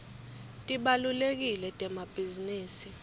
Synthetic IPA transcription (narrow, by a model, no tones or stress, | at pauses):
tʼiɓalulek̬ilɛtʼɛmab̥ʱiziniːsi